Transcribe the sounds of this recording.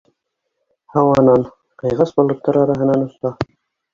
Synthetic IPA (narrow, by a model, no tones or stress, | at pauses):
hɑwɑnɑn | qɤ̆jʁɑsbŏlˠɤ̆t̪ːɑɾɑɾɑɦɤ̆nɑnŏst̪ɑ